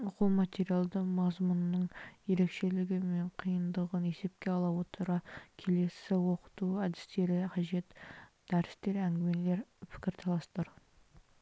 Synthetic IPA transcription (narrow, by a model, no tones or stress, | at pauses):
ʊqəlˠmat̪ʲe̞ɾijalˠd̪əmɑzmʊnənːəɴje̞ɾe̞kʃe̞lɪɡʲɪme̞ɴqʰijənd̪əʁəne̞se̞p̚kʲe̞ɑlˠɑwot̪əɾɑkʲʰe̞le̞sɪwo̞qə̥t̪uɑd̪ɪ̥st̪e̞ɾɪqʰɑʒe̞t̪d̪̥æɾɪst̪e̞ɾæŋɡʲɪme̞le̞ɾpʰɪ̥kʲɪɾt̪ʰɑlˠɑst̪əɾ